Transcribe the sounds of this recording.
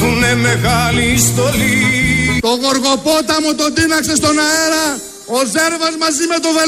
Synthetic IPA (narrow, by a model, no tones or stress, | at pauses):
unemeɣalist̪olit̪o̞ɣoɾɣo̞pot̪ɐmut̪o̞d̪inɐkse̞st̪o̞nɐeɾɐ | ozeɾvɐzmɐzimet̪ove